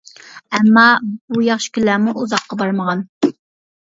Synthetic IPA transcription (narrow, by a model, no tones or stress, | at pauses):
ɛmːɑbujɑχʃɪ̥kʲylːæːmuʔuzɑqːɑbɑɾməʁɑn